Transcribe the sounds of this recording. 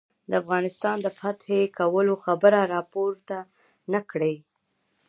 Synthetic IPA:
d̪əafɣɑnɪst̪ɑnd̪əfat̪hekawəloxabəɾaɾɑpoɾt̪a | nakɽəj

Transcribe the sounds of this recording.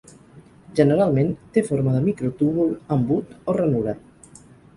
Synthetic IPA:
ʒənəɾalˠmẽnt̪efoɾməðəmikɾot̪uβuləmbut̪orənuɾə

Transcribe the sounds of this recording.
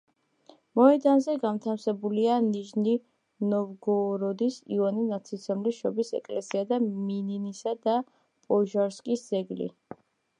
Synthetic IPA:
mɔɛd̪anzɛɡamt̪ʰamsɛbulianiʒni | nɔvɡɔɾɔd̪isḭvaninat̪sʰit̪sʰɔmliʃɔbisɛ̰kʼlɛsiad̪amininisad̪a | pʼɔʒaɾskʼisd̪zɛɡlḭ

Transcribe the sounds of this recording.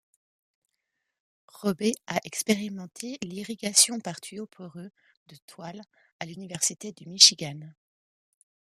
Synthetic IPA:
ʁɔbeaʔɛkspeʁimɑ̃t̪ʰeliʁiɡasjɔ̃paʁt̪ɥiopʰɔʁø | d̪̥ət̪wal | alynivɛʁsit̪ed̪əmiʃiɡan

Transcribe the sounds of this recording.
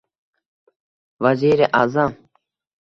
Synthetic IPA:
ʋɐziːɾeʔaːzam

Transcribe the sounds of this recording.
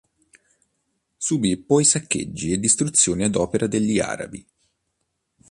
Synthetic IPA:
subipːɔjsakːḛd͡ʒːied̪ːist̪ɾut̪sːjoːniad̪ɔːpeɾʔad̪eʎːia̰ːɾa̰bi

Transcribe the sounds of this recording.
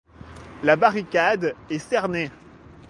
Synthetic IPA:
labaʁikʲad̪ɛsɛʁne

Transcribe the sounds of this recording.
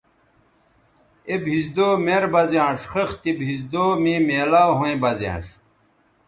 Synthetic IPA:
ebɦizd̪oːmeɾbɐzãːʂxext̪ibɦizd̪oːmĩːmeːlaːɦũẽbɐzã̰ːʂ

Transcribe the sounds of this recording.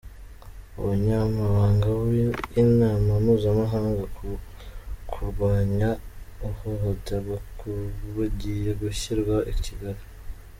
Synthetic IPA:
ṵwuɲamaβaːŋɡainaːmamuːzamaɦaːŋɡaku | kʰuɾɡwaːɲauhohutaβakuβuɟijeɡuçiɾɡwaʔiciɡaɾi

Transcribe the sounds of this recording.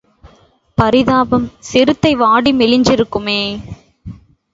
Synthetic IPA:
pɐɾɪðaːbɐmsɪɾɯt̪ːɐɪʋaːɽimɪlɪɲd͡ʒɪɾɯkːɯmeː

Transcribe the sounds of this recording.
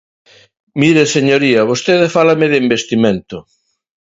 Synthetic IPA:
miɾeseɲoɾiaβ̞ost̪eðefalameðeimbest̪imẽnt̪o

